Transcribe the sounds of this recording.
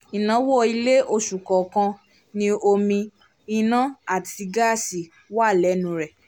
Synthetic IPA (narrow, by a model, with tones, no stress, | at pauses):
i˨nã˨˦wo˦˨i˧le˦ʔo˧˨ʃu˨kɔ˨kã˧ | nĩ˧o˧mĩ˧ | i˧nã˦a˦˨ti˧ɡa˦˨si˨ | wa˦˨lɛ˨˦nũ˨˦ɾɛ˨